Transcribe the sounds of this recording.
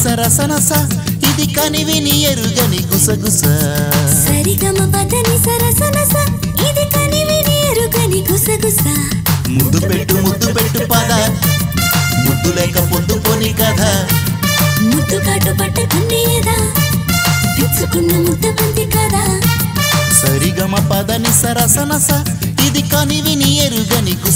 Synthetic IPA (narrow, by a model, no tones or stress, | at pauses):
sɐɾɐsɐnɐsɐ | id̪ikɐniʋinijɐɾuɡɐniɡusɐɡusɐsɐɾiɡɐmɐbɐd̪ɐnisɐɾɐsɐnɐsɐ | id̪ikɐniʋinijɐɾuɡɐniɡusɐɡusɐmud̪ːupeʈːumud̪ːupeʈːupɐd̪a | mud̪ːulɛːkɐpod̪ːukonikɐd̪ʱɐ | mud̪ːukɐʈupɐʈːɐk̪unɖijed̪a | bisukund̪ɐmud̪ɐbɐnt̪ikɐd̪ʱɐ | sɐɾiɡɐmɐpɐd̪ɐnisɐɾɐsɐnɐsɐ | id̪ikɐniʋinijeɾuɡɐniku